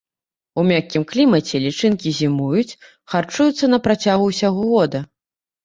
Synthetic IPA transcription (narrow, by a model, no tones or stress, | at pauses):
umʲakʲːimklʲimɐt͡sʲɛlʲit͡ʂɨnkʲizʲimujut͡sʲ | xart͡ʂujut̪sːɐnɐpɾat͡sʲaɣuwsʲaɣɔɣɔd̪ɐ